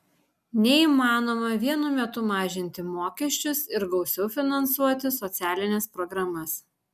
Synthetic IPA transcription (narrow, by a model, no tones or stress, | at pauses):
nʲɛiːmɑːnoːmɐʋʲiɛnʊmʲɛt̪ʊmɑːʒʲɪnʲt̪ʲɪmoːkʲɛʃʲt͡ʃʲʊsɪɾɡɒʊsʲɛʊfʲɪnɐnsuɔt̪ʲɪsɔt̪sʲæːlʲɪnʲɛspɾɔɡɾɐmɐs